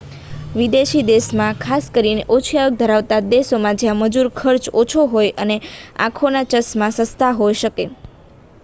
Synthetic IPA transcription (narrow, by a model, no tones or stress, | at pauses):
ʋid̪eʃid̪esmãkʰaskəɾineʔot͡ʃʰijaək̚d̪ʱəɾaʋt̪ad̪esomãd͡ʒjãməd͡ʒuɾkʰəɾt͡ʃot͡ʃʰoɦojʔəneã̰kʰonat͡ʃəsmãsə̃st̪ʰaɦojʃəke